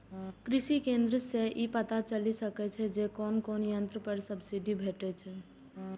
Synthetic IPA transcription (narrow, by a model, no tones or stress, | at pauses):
kɾɪʃikẽːnd̪ɾəseʔipət̪at͡ʃəlisəkɛt͡ʃʰɛd͡ʒekɔːnkɔːnjə̃nt̪ɾəpəɾsəbsiɖibʱeːʈet͡ʃʰɛ